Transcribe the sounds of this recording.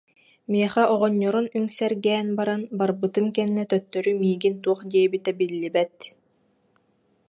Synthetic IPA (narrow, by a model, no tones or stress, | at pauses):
miɛχɛʔɔʁɔɲːɔɾunyŋsɛɾɡɛːnbaɾanbaɾbɯt̪ɯmkɛnːɛt̪œt̪ːœɾymiːɡint̪uɔχd̪iɛbit̪ɛbilːibɛt̪